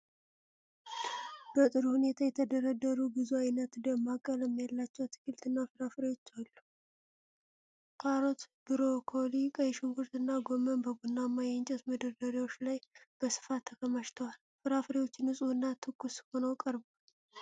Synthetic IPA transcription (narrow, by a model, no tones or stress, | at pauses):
b̥ət̪ʼɨɾhunet̪ʰajɛt̪ʰəd̪əɾəd̪əɾubɨzuajnət̪d̪əmːakʼːələmːjalːat͡ʃːɛwt̪ʰːɨ̥kɨlt̪ʰɨnːafɨɾafɾiwo̞t͡ʃːalːu | kʼaɾot̪bɨɾo̞kʰolikʼəjɛʃuŋɡuɾt̪ɨnːaɡomənbəɡunːamːajɛnt͡ʃʼɛt̪məd̪əɾd̪əɾiwot͡ʃːlajb̥əsɨ̥fat̪ʰːəkʰəməʃt̪ʰəwal | fɨɾafɾiwo̞t͡ʃːɪnɨsʼuɨnːat̪ʰɨkːusho̞nəwkʼəɾbal